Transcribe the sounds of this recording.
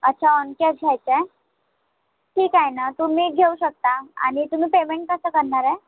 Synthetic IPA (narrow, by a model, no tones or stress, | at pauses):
ətːɕʰaonkeət͡ɕʰiajt͡se | ʈʰiːkajnat̪um̤iːɡʱeuɕək̚t̪aa̰ɽ̃it̪um̤iːpemeɳʈ̚kəsəːkəɾɳaɾɛ